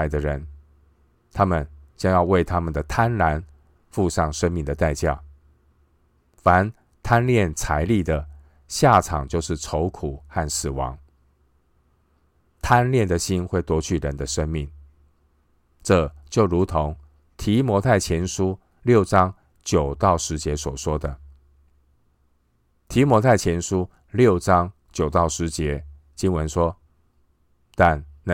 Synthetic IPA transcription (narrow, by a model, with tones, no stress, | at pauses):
ɪd̪ə˧ɻə˧˦˥n | t̪ʰa˥mə˨nt͡ɕjɑ˥ŋjɑ˥˧ʊwe˥˩ɪt̪ʰa˥mə˨nd̪ə˩t̪ʰa˥nla˧˦n | fu˥˧ʂɑ˥˧˩ŋʂə˥nmi˥˩ŋd̪ə˩t̪a˥˧ɪt͡ɕja˥˩ | fa˧˦n | t̪ʰa˥nljɛ˥˩nt͡sʰa˧˥ɪli˥˩d̪ə˩ | ɕja˥˩ʈ͡ʂʰɑ˨˩ŋt͡ɕjo˥˧ʊʂɻ̩˥˩ʈ͡ʂʰo˧˥ʊkʰu˨˩xa˥˩nsɹ̩˨˩wɑ̰˧˦ŋ | t̪ʰa˥nljɛ˥˩nd̪ə˩ɕi˥nxwe˥˩ɪt̪wɔ˥t͡ɕʰy˥˩ɻə˧˦nd̪ə˧ʂə˥nmi˥˩ŋ | ʈ͡ʂɤ˥˧t͡ɕjo˥˩ʊɻu˧˥t̪ʰo˧˥ŋ | t̪ʰi˧˥mwɔ˧˥t̪ʰa˥˩ɪt͡ɕʰjɛ˧˥nʂu˦ | ljo˥˨ʊʈ͡ʂɑ˦ŋ | t͡ɕjo˨˩ʊt̪ɑ˥˩ʊʂɻ̩˧˦˥t͡ɕjɛ˧˦swɔ˨˩ʂwɔ˥d̪ə˨ | t̪ʰi˧˥mwɔ˧˥t̪ʰa˥˩ɪt͡ɕʰjɛ˧˥nʂu˦ | ljo˥˨ʊʈ͡ʂɑ˥˦ŋ | t͡ɕjo˨˩ʊt̪ɑ˥˩ʊʂɻ̩˧˥t͡ɕjɛ˧˥ | t͡ɕi˥nwə˧˦nʂwɔ˥ | t̪a˥˧n